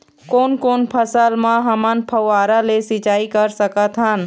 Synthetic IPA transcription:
koːnkoːnpʰɐsəlmãɦɐmanpʰɐʋaːɾalesɪt͡ʃaːikɐɾsəkət̪ɦan

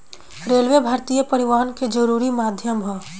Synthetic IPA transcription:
ɾeːlʋebʱaːɾt̪ijəpɐɾɪʋaːənked͡ʒəɾuːɾimaːd̪ʱjəmɦɔ

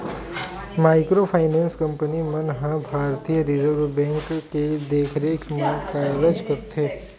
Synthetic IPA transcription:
maːɪkɾopʰaɪnɛ̃ːnskə̃mpənimənɦãbʱaːɾt̪ijəɾɪzəɾʋbɛ̃ːŋkked̪eːkʰɾeːkʰmẽkaləd͡ʒkəɾt̪ʰeː

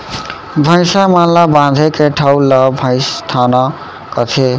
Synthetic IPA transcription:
bʱʌ̃jsamallabãd̪ʱekeʈʰawlʌbʱʌ̃jst̪ʰanʌ | kʌt̪ʰe

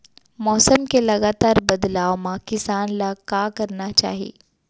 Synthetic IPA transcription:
mɔːsəmkeləɡat̪aːɾbəd̪laːwmãkɪsaːnlakakəɾnat͡ʃa̰ːɦiḛ

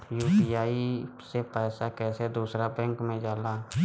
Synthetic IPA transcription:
juːpiːjaːisepɛːsakɛːsed̪uːsɾabɛ̃ːŋkmẽd͡ʒaːlaː

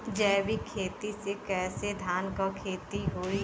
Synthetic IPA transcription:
d͡ʒɛːbʱikʰeːt̪isekɛːsed̪ʱaːnkakʰeːt̪iɦoːi

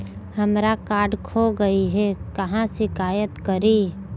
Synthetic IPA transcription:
hɐmɾakaːɖkʰoɡɐiɦɛkɐɦãʃɪkaːjət̪kɐɾiː

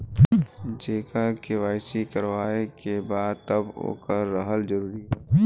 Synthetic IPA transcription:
d͡ʒeːkakewaːɪsikəɾwaːekebaːd̪̚t̪ɐbo̰ːkəːəɦəld͡ʒəɾuːɾiɦo

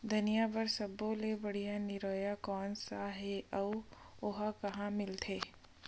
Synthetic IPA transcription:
d̪ʱɐnijabɐɾsɐbõlebɐɽ̤ijanɪɾɔːjakɔːnsaɦɛʔɐʋ | oɦakɐɦãmɪlt̪ʰeː

